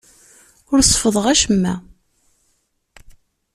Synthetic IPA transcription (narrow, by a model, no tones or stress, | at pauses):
ʊɾsˤfəðˤəʁæʃəmːæ̰